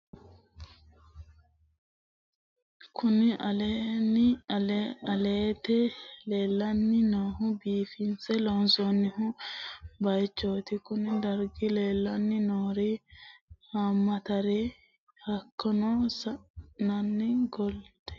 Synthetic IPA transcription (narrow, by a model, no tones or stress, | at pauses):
kʰʊnɪʔɐlen | ɐleːt̪ɛleːlːɐnːɪnoːɦʊbiːfɪnsɛlonsonːɪhʊ | bɐjt͡ʃːoːt̪ɪkʊnɪd̪ɐɾɡɪleːlːɐnːɪnoːɾi | hamːɐt̪ɐɾe | hɐkːɔnɔːsɐnɐnːɪɡɔld̪̥ɛ̥